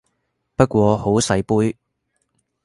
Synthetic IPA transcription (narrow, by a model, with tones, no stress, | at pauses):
pɐ˥t̚kʷɔː˧ho˨˥wsɐ˨˧jpuː˥j